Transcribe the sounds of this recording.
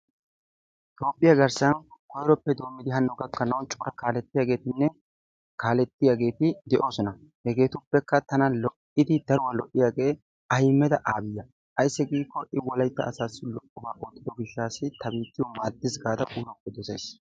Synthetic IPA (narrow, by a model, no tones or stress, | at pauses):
t̪o̞ːpʼːɪjɐɡɐɾsɐnkɔjɾɔpːɛd̪o̞ːmːɪd̪ɪɦɐnːɔɡɐkːɐnɐwnt͡ʃʼɔɾɐkaːlɛt̪ːɪjaːɡe̞ːt̪ɪnːɛ | kaːlɛt̪ːɪjaɡe̞ːt̪ɪd̪ɛʔo̞ːsɔnɐ | hɛɡe̞ːt̪ʊpːɛkːɐt̪ɐnɐlɔʔɪd̪ɪd̪ɐɾʊwɐlɔʔɪjaːɡe̞ː | ɐjmːɛd̪ɐʔaːbɪjːɐ | ʔɐjsːɪɡiːkːɔʔɪwɔlɐjt̪ːɐ̰ːsaːsɪlɔʔʼːɔbaːʔoːt̪ːɪd̪ɔɡɪʃːaːsɪt̪ɐbiːt̪ːɪjɔmaːd̪ːɪsɡaːd̪ɐʔuːlɔpːɛd̪ɔsɛjs